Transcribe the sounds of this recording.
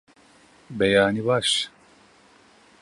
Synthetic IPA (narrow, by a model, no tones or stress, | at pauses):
bɛjaːniwaːʃ